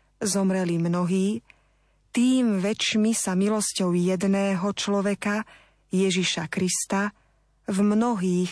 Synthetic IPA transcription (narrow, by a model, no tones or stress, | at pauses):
zɔmɾɛlimnɔɦiː | t̪iːmʋɛt͡ʃmisamilɔscɔʊjɛd̪nɛːɦɔt͡ʃlɔʋɛka | jɛʒiʃakɾist̪a | vmnɔɦiːx